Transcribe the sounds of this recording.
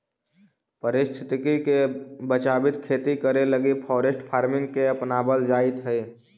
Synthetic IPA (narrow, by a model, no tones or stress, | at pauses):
pəɾɪst̪ʰɪ̥t̪ɪkikebət͡ʃabit̪kʰet̪ikəɾeləɡipʰɔːɾesʈpʰaːɾmɪŋɡkeəpnaːbəld͡ʒaːit̪ɦəi